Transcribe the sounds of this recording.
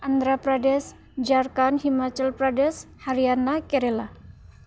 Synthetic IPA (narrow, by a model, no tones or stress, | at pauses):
ʔand̪ɾapɾadɛs | d͡ʒarkanhimat͡ʃɛlpɾadɛshaɾianakɛɾɛla